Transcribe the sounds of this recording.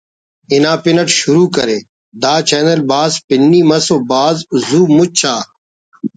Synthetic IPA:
ɪnãːpɪnəʈʃʊɾuːkɐɾeː | d̪aːt͡ʃɛːnəlbaːspɪnːiːmɐsoːbaːzzuːmʊt͡ɕʰaː

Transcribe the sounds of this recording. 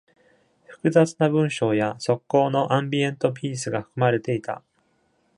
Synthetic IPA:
ɸɯ̟̥kɯ̟zat͡sɨnabɯ̟̃ɰ̃ɕo̞ːjaso̞kːo̞ːno̞ʔãmbʲiẽ̞nt̪o̞p̬ʲiːsɨɡaɸɯ̥kɯ̟maɾe̞t̪e̞it̪a̰

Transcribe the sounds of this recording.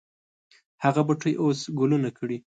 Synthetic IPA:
haɣabaʈojʔosɡolunakəɽi

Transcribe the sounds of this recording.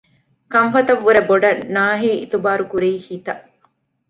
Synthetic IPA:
kɐŋfɐt̪ɐʋːuɾeboɖɐnːaːɦiːit̪ubaːɾukuɾiːhiːt̪ɐ

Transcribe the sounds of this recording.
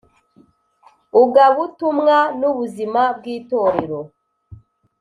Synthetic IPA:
uɡaβutumŋanuβuzimab̚ɡiːto̞ɾeɾo

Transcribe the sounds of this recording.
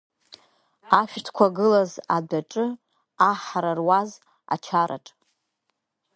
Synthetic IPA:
aʃᶣtʰkʷʰaɡɨlazadaʈ͡ʂʼɨ | aħaɾarwaz | a̰t͡ʃʰaɾa̰ʈ͡ʂʼ

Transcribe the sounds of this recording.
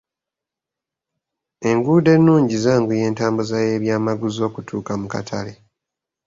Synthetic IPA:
e̞ŋɡuːde̞nːuːɲɟizaːŋɡuje̞ːntaːmbuzaje̞ːβjaːmaɡuzo̞ːkutʰuːkamuka̰tʰale̞

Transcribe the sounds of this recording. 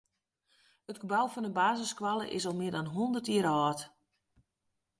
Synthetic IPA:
ətɡəbawfɔnəbaːzəskwalˠə̰ʔɪ̰sɔlˠmɪədanɦondərtiəɾɔːt

